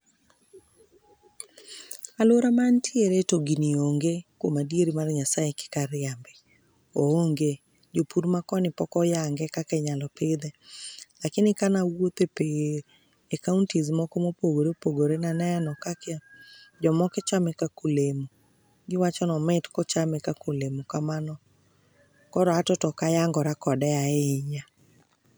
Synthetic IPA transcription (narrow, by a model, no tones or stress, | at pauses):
aloɾamantʰieɾetoɡinioŋɡekwomadieɾimarɲasaekɪ̥kaɾɪjambɛ | ooŋɡe | d͡ʒopuɾmakɔnɪpɔkɔjaŋɡɛkakɛɲalɔpɪd̪ɛlakɪnɪkanawot̪epe | ekauntizmɔkomopoɡoɾepoɡoɾenanɛnɔkakɛd͡ʒɔmɔkɛt͡ʃamɛkakulemu | ɡɪwat͡ʃɔnɔmɪtkɔt͡ʃamɛkakulemukamanɔ | kɔɾɔatɔtɔkajaŋɡɔɾakɔdɛaeɲa